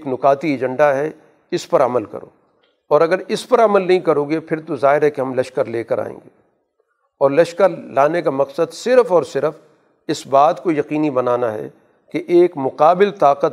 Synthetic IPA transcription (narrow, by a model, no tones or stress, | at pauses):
eːknʊqaːt̪ied͡ʒə̃ɳɖaɦɛ | ɪspɐɾɐməlkɐ̰ɾo̰ː | ɔːɾɐɡəɾɪspɐɾɐməlnɐɦĩkɐɾõːɡepʰɪɾt̪ozaːɦɪɾɦɛkeɦɐmlɐʃkəɾleːkəɾa̰ːḛ̃ːŋɡeː | ɔːɾlɐʃkəɾlaːnekamɐqsəd̪sɪɾfɔːɾsɪɾəf | ɪsbaːt̪kojɐqiːnibɐnaːnaɦɛ̰ | keʔeːkmʊqaːbɪlt̪aːqət̪